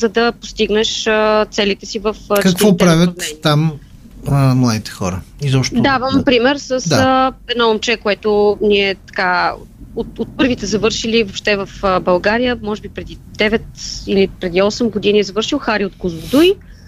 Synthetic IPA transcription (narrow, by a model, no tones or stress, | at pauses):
zɐd̪ɐpost̪iɡnɛʃət̪sɛlit̪ɛsivəfkɐkvɔp̪ɾavʲət̪nɛniːam | mlˠad̪it̪ɛ̥xɔ̰ɾə̰izɔpʃt̪d̪avəmpɾimɛɾsəsd̪aəɛnɔomt͡ʃɛkoɛt̪ʊniɛt̪ɐ̥kaot̪ot̪̚pɤɾvit̪ɛzɐvɤɾʃilivopʃt̪ɛvɐfəbɐlˠɡaɾijəmɔʒɛbipɾɛd̪id̪ɛvɛt̪ilipɾɛd̪iɔsɛmɡod̪iniɛzɐvɤɾʃilˠxaɾiot̪kʊzʊd̪uj